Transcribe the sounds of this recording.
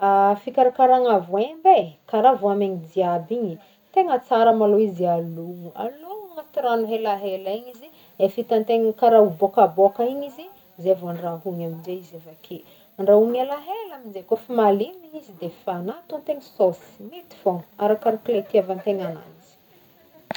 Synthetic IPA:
afikaɾakaɾaŋavuembekaɾavuameɲid̪iabiɲi | t̪eŋət͡saɾəmaloizialuŋua̰luŋat̪iɾanuɦelaɦelaiɲizi | efit̪ant̪eŋkaɾaubokabokaiɲizi | zeavaɳraɦuɲamind͡ʒeizevakʰi | aɳɖ͡ʐauŋelaɦelaminzekofimaliniizid̪efanat̪ant̪eɲisosi̥mit̪i̥foŋaɾakaɾaklet̪iavant̪eŋana̰nt͡si̥

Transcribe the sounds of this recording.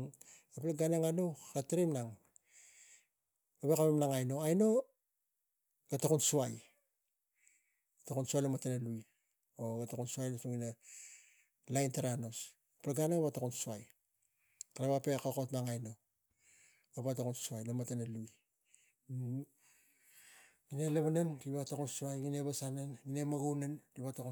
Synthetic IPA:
aplaɡaneŋanokateɾimnaŋ | aβekamemnaŋajno̞ajno̞ | ɡatakunsuaj | atakunsuajlamatenaluj | oɡatakunsuajnosoŋina | lajntaɾano̞s | pɾaɡanaβatakunsuaj | kaɾaβapekaokotmaŋajno̞ | ɡaβatakunsuajlamatanaluj | ɡineleβananɾiβatakunsuajŋineβasananine̞maɡownanɾiβataku

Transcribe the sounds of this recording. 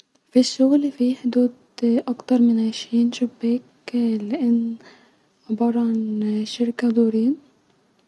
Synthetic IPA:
fiʃːʊɣlfiħd̪uːd̪ | ʔakt̪ɑɾˤmɪnʕaʃɾiːnʃʊbːeːk | lɪʔɪnː | ʕɪbɑːɾˤɑʕanʃɪɾkad̪uːɾiːn

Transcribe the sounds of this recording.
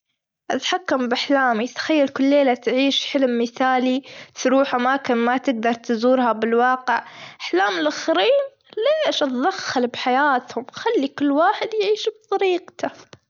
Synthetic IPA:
ʔat̪ħakːambʔaħlaːmit̪ḁxajːalkʊlːeːlat̪ʕiːʃħɪlmːɪθaːlit̪ɾuːħʔamaːkɪnmat̪ɪɡ̚d̪ɑɾˤt̪zuːɾhabɪlwɑːqɪʕʔaħlaːmɪlʔaxɾiːn | leːʃʔat̪d̪axːalbħajaːt̪hʊmxalːikʊlːwaːħɪd̪jʕiːʃb̚t̪ˤɑɾiːqt̪a

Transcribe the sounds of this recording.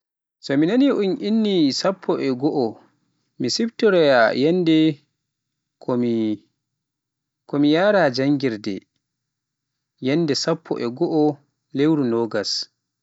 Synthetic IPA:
sɔminaniʔunʔinːisapʰːɔʔɛɡɔʔɔ | misibtɔɾɛjajɛndɛ | kʰɔmi | kɔmijaːɾad͡ʒaŋɡiɾdɛ̰ | jɛnːdɛsapʰːɔ̰ʔɛɡɔʔɔ | lewɾunɔːɡas

